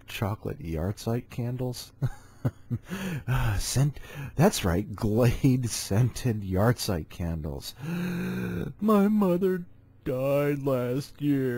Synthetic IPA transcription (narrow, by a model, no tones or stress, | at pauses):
t͡ʃʰɑklɨ̰t̚jɑ̰ɹd̥saɪt̚kʰæ̃ndˡl̩ˠz̥ | ʌsɛ̃ntðætsɹa̰ɪt̚ɡ̥leɪdsɛ̃ntʰɪd̚jɑɹd̥saɪt̚kʰæ̃ndˡl̩ˠz̥ | maɪmʌðə˞ | d̥aɪdˡlæst̚jɪɹ